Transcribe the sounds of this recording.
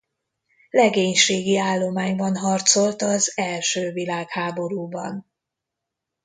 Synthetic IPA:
lɛɡeːɲʃeːɡiaːlːo̞maːɲbɒnɦɒrt̪so̞lt̪ɒzɛlʃøːvilaːkhaːbo̞ɾuːbɒ̰n

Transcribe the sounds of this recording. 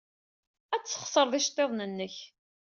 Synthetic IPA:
æt͡sːə̥χsˤəɾˤðˤiʃt̪ˤːeðˤnənːəç

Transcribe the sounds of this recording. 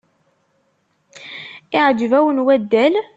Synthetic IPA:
ɪʕəd͡ʒvæwənwæd̪ːæl

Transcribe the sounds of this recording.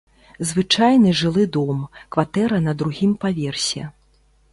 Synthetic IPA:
zvɨt͡ʂajnɨʐɨlˠɨd̪ɔmkvat̪ɛɾɐnɐd̪ɾuɣʲimpavʲɛrsʲɛ̰

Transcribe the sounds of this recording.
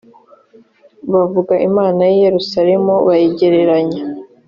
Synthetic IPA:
βavuɡaʔimaːnajije̞ɾusaɾe̞muβajeɟe̞ɾe̞ɾaɲe

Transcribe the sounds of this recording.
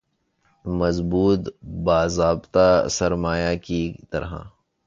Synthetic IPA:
mɐzbuːt̪baːzaːbt̪asɐɾmaːjakit̪ɐ̰ɾɦã̰

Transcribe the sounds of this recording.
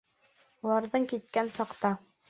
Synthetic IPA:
ulˠɑɾðɤɴkit̪̚kænsɑqt̪ɑ

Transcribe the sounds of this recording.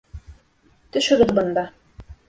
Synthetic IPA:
t̪ɵ̆ʃɵ̆ɡɘðbɤ̆nd̪ɑ

